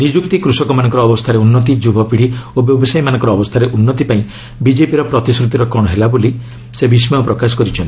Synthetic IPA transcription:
nid͡ʒukt̪ikɾusɔkɔmanɔ̃ŋkɔɾɔːbɔst̪ʰaɾeunːɔt̪̬id͡ʒubʱɔpiɽ̤iobjɔbɔsajmanɔŋkɔɾɔːbɔst̪ʰaɾeʔunːɔt̪ipaĩ | bid͡ʒepiɾɔpɾɔt̪iskɾut̪iɾɔkɔɽ̃ɔɦelaboli | sebismapɾɔkasɔ̥kɔɾit͡ʃʰɔnt̪i

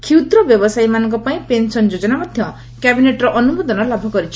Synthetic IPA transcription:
kʰiut̪ɾɔbjɔbɔsajimanɔ̃ŋkɔpaĩpensɔnd͡ʒod͡ʒɔnamɔd̪ʱjɔ | kabineʈɾɔʔɔnumod̪ɔnɔlabʱɔkɔɾit͡ʃʰi̥

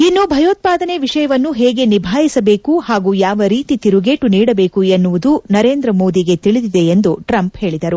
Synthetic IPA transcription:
inːubʱɐjoːt̪̚paːd̪ɐneʋiʂɐjɐʋɐnːuɦeːɡe̞nibʱaːjisɐbe̞ːkuhaːɡujaːʋɐɾiːt̪it̪iɾuɡeːʈuniːɽɐbe̞ːkuenːuʋud̪unɐɾe̞ːnd̪ɾɐmo̞ːd̪iɡe̞t̪iɭid̪id̪e̞end̪uʈɾɐmpheːɭid̪ɐɾu

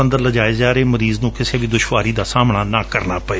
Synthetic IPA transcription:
ə̃nd̪əɾləd͡ʒaːezaːɾeːməɾiːznũːkɪseːʋiːd̪ʊʃʋaːɾiːd̪aːsaːmɳaːnãːkəɾnaːpəeː

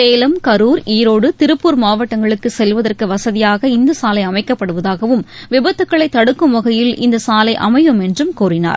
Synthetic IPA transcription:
eːlɐmkɐɾuːɾiːɾoːɽɯt̪ɪɾɯpːuːɾmaːʋɐʈːɐŋɡɐɭɯkːɯsɛlʋɐðɐrkɯʋɐsɐðɪjaːɣɐɪnd̪ɐsaːlɐɪɐmɐɪkːɐpːɐɽɯʋɐðaːɣɐʋɯmʋɪbɐt̪ːɯkːɐɭɐɪt̪ːɐɽɯkːɯmʋɐɣɐjɪlʔɪnd̪ɐsaːlɐɪʔɐ̰mɐjɯmɛndrɯmkuːrɪna̰ːɾ

